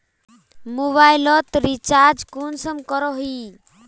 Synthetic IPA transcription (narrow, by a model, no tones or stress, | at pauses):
muβajlɔt̪ɾit͡ʃaːɾd͡ʒkunsəmkɔɾɔɦi